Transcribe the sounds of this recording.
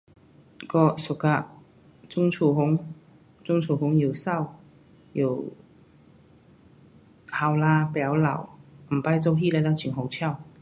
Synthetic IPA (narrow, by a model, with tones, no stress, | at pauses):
kɔː˧sʊ˨˩kːaː˧ | t͡sʊ˥ŋt͡sʰuː˧˩ɦʊ˨˥ŋ | t͡sʊ˥ŋt͡sʰuː˨˧˩hʊ˨˥ŋjiː˨˧wsɐ˥˩w | jḭ˨˧˩w | haː˧wlaː˧pɛː˨˥wlɐ̰˨˩wm̩˨˩pɐ˧˥jt͡so˧˥wɦiː˥lɛ˧˥laː˧˥t͡sʰiː˨˩nɦo˨˧˥wt͡sʰɛː˥˩w